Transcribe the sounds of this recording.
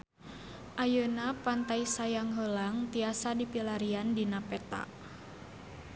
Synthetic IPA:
ʔajənapant̪ajsajaŋɦəlaŋt̪iasadipilaɾiandinapɛt̪a̰

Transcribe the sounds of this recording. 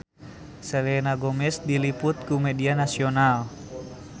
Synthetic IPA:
sɛlɛnaɡɔmɛsdilipʊt̪̚kumɛdianasiɔnal

